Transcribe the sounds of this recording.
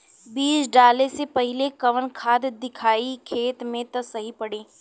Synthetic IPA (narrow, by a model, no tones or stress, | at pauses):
biːsɖaːlesepɐɦɪlekɐʋənkʰaːd̪d̪ɪkʰaːikʰeːt̪mẽt̪ɐsɐɦipɐɽẽː